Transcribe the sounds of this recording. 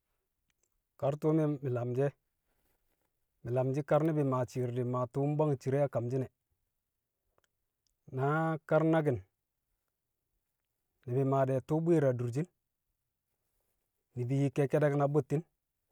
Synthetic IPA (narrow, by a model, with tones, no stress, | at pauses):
ka˦ɾtu˦mi˦mi˨la˨md͡ʒe˦ | mi˨la˨md͡ʒi˦ka˦ɾni˦bi˨ma˨t͡ʃi˨ɾdi˨ma˨tu˦m˦ba˦ŋt͡ʃi˨ɾe˦a˦ka˨md͡ʒi˦nɛ˨ | na˦ka˦ɾna˦ɡ̬i˨n | nːi˨bi˨ma˨dɛ˨tu˦bi˦ɾa˨du˨ɾd͡ʒi˦n | i˨bi˨ji˨ke˦ke˦de˦kna˨bu˦tːi˦n